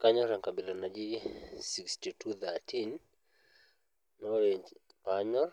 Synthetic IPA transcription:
kaɲɔɾaŋkaɓilanad͡ʒisikstitʰuθatʰin | ɔlɛ | paɲɔ

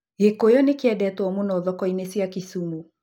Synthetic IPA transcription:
ɣekojɔnekeɛdɛtwɔmunɔðɔkɔinesiakisumu

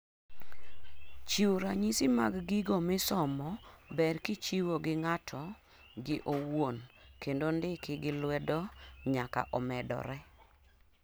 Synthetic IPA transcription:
t͡ʃiwɾaɲisima̰ɡɡiɡomɪsɔmɔbɛrkɪt͡ʃiwoɡɪŋatʰɔ | ɡɪʔowonkendondɪkɪɡɪlwɛdɔɲaka̰ʔɔmɛdɔ̰ɾɛ

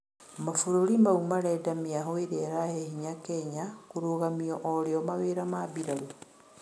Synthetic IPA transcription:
mafuɾuɾimaumaɾedamiaɦoiɾeɾahehiɲakeɲakuɾuɣamioʔoɾeomaβeɾamaβiɾalu

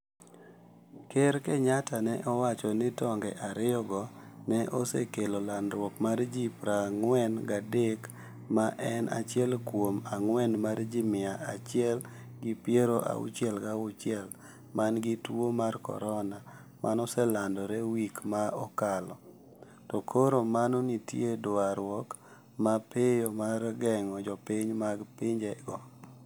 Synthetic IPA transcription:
keɾkɛɲatanɛʔɔwat͡ʃɔnɪtɔŋɡɛʔaɾɪjɔɡɔnɛʔosḛkelolanɾwɔkmard͡ʒipɾaŋwɛnɡadek | maʔɛna̰t͡ʃɪɛlkwomaŋwɛnmard͡ʒimɪaat͡ʃɪɛlɡɪpjeɾoʔa̰ṵt͡ʃjɛlɡaʊt͡ʃɪɛl | manɡɪtomarkɔ̰ɾɔna | mʔa̰nɔsɛlandɔɾɛwikmaɔkalɔ | tɔkʰoɾomanonitjedaɾwɔk | mapʰejomarɡɛŋɔd͡ʒɔpiɲmaɡpɪɲd͡ʒɛɡɔ

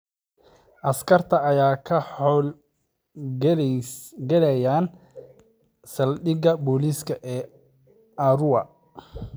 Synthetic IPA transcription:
ʔɐskʰɐrt̪ʰɐːjaːkʰɐħɔːl | ɡɛlɛjaːn | sɐlɗɪɣɐbɔːliskʰɐʔɛː | ʔɐɾʊwɐ

